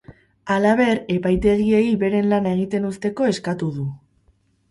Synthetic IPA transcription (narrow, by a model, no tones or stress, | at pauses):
alaβ̞e̞ɾe̞pajt̪e̞ɣieiβe̞ɾe̞nlanae̞ɣ̞it̪e̞nust̪e̞ko̞e̞skat̪uðu